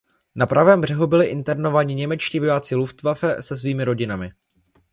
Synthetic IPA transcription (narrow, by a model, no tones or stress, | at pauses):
napɾʔavɛːmbr̝ɛɦubɪlɪʔɪnt̪ɛɾno̞vaːɲɪɲɛmɛt͡ʃciːvo̞jaːt͡sɪluft̪vafɛsɛs̬viːmɪɾo̞ɟɪnamɪ